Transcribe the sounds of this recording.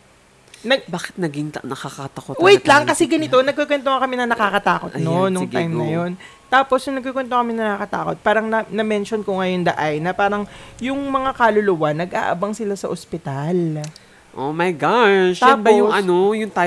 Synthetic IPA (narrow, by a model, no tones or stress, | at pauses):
nɐbaːkɪ̥t̪̚nɐɡɪŋnɐkakɐt̪ɐkowɛjt̪lɐŋkɐsɛɡɐnɪt̪o̞nɐɡ̚kokwɛnt̪oŋɐkɐmɛnɐnɐkakɐt̪aːko̞t̪̚nonːoŋt̪ajmnɐjo̞n | t̪aːpo̞sjʊnɐɡ̚kokwɛnt̪okɐmɛnɐakɐt̪a̰ːko̞t̪̚paːɾɐŋnɐnɐmɛnʃonkʊŋɐjond̪ɐʔajnɐpaːɾɐŋjʊŋmɐŋakalʊlʊwanːɐɡʔa̰ːʔɐ̰bɐŋsɪlasɐʔospɪt̪al | ʔomɐjɡaʃɛːpɐnojʊŋt̪aː